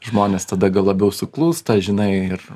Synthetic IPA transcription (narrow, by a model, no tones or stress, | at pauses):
ʒmoːnʲeːst̪ɐd̪ɐɡɐlˠɐbʲɛʊsʊklˠuːst̪ɐʒʲɪnɐɪɪr